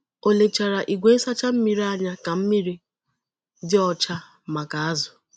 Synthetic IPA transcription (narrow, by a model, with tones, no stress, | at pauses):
o˨le˨t͡ʃa˨ɾa˨ʔi˨ɡʷe˦sa˦t͡ʃa˦m̩˦mi˦ɾi˦a˦ɲa˦ka˨m̩˦mi˦ɾi˦ | dɪ˦ɔ˦t͡ʃa˦ | ma˨ka˨a˦zʊ˨